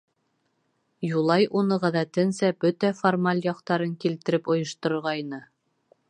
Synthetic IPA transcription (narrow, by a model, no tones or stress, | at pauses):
julˠɑjʔunɤʁæðæt̪ɘnsæbɵt̪æformalʲjɑqt̪ɑɾɤŋkilt̪ɘ̆ɾɘpŏjɤ̆ʃt̪ŏɾɤ̆ɾʁɑjnɤ